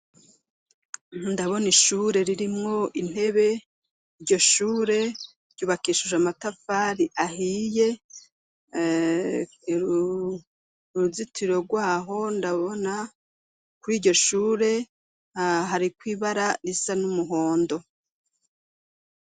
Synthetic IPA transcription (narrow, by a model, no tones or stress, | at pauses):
ndaβo̞niʃuːɾe̞ɾiɾimŋo̞in̥he̞βe̞ | iɾɟo̞ʃuːɾe̞ | ɾjɟuːβakiʃuʒamatafaːɾiʔahije̞ | ɾuzitʰiɾo̞ɡwaːɦo̞ndaβo̞na | kuɾiːɟo̞ʃuːɾe̞ | ɦaɾikwiːβaɾaɾisanumuɦo̞ːndo̞